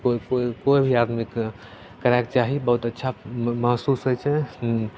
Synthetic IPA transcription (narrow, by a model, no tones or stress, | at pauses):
kokoikoibʱiad̪mik | kəɾaekt͡ʃaɦibəɦut̪ətːʃʰaməɦsusɦojt͡ʃʰɛ